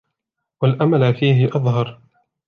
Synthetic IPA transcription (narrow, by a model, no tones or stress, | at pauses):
walʔamalfiːɦɪʔɑðˤɦɑɾˤ